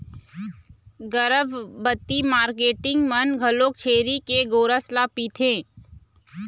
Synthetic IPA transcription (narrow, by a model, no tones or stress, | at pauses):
ɡəɾəbbət̪ːimaːɾkeːʈɪ̃ŋɡmɐnɡʱɐlok̚t͡ʃʰeːɾikeɡoːɾəslapiːt̪ʰẽː